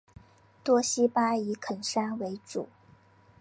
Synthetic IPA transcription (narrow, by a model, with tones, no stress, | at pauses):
t̪wɔ˥ɕi˥pa˥i˧˥kʰə˨˩nʂa˥nwe˧˥ɪʈ͡ʂṵ˨˩˦